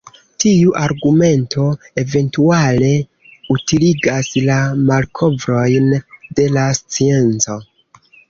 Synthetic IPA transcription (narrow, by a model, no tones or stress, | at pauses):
tiuʔaɾɡume̞ntʰo̞ | e̞ve̞ntuale̞ | utiliɡaslamalkʰo̞vɾo̞jnde̞last͡sie̞nt͡so̞